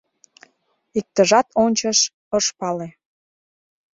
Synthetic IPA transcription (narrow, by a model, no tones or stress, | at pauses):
ik̚t̪əʒɑt̪onʲt͡ɕəʃ | əʃpɑle